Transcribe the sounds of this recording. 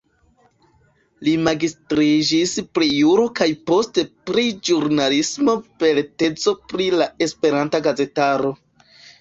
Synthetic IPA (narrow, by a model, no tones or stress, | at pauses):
limaɡistɾid͡ʒispɾejuɾo̞kajpo̞ste̞pɾid͡ʒuɾnalismo̞pe̞ɾte̞t͡so̞pɾilae̞spe̞ɾantaɡaze̞taɾo̞